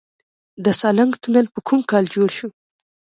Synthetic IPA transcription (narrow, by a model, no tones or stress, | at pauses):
d̪əsɑlaŋɡt̪unəlpəkʰumkɑld͡ʒoɽʃu